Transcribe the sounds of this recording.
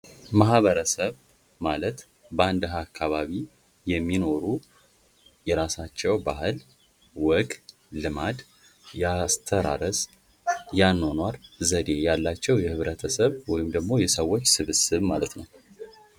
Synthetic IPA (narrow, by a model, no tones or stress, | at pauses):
maɦβəɾəsəβ | malət̪ | bəand̪ɦakʰːaβaβi | jɛmːino̞ɾu | jɛɾasat͡ʃːɛwbaɦɨl | wɔɡʼː | ɨmad̪ | jast̪ʰəɾa̰ɾəz | janːo̞nwaɾzəd̪e̞jalːat͡ʃːɛwjɛhɨβɾət̪ʰəsəβwɔjɪmd̪əɡmo̞jɛsəwːo̞t͡ʃːsɨβɨsɨβmalət̪nəw